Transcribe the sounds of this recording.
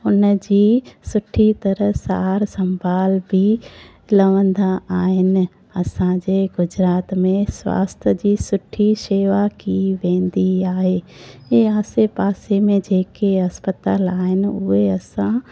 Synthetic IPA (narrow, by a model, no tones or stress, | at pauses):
ʊnd͡ʑiːsʊʈʰit̪ɐɾəɦsa̰ːɾsɐ̃mbʱaːlbʱi | lɐʋə̃nd̪aaːɦɪnɪ̆ | ɐsãd͡ʑeːɡʊd͡ʑɾaːt̪mẽsʋa̰ːst̪ʰəd͡ʑiːsʊʈʰːiʃeːʋakiʋẽːnd̪iaːɦeːeːaːsepaːsemẽd͡ʑeːkeɐspət̪aːlaːɦɪnɪ̆ʊ̰ɦeɐsã